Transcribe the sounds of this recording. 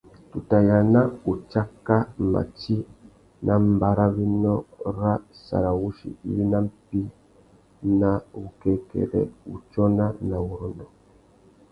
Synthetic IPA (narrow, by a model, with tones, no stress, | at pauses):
tu˨ta˨ja˨na˦u˨t͡ʃa˦ka˦ma̰˨t͡ʃi˦ | nʔa˦m˦ba˨ɾa˦βi˦nɔ˦ɾa˦sa̰˨ɾa˨wu˦ʃḭ˨i˦li˦na˦m̩˦pi˦ | na˦u˨kɛ˨kɛ̰˨ɾɛ̰˨ṵ˨t͡ʃɔ˦na˦na˨wu˨ɾɔ˨nɔ˨